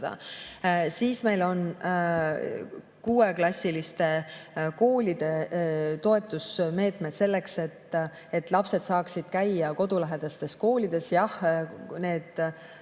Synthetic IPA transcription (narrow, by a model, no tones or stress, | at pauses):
ɑ̰ | siːsme̞jlo̞n | kuːe̞klɑsʲːilist̪e̞ko̞ːlid̪̥e̞t̪o̞e̞t̪ːˑusme̞ːt̪med̪̥se̞lːe̞kse̞t̪ː | e̞t̪ːˑlɑpse̞d̪sɑːksid̪̥̚kæjɑko̞d̪̥ulæɦe̞d̪̥ɑst̪e̞sko̞ːlid̪̥e̞sjɑhne̞ːd̪̥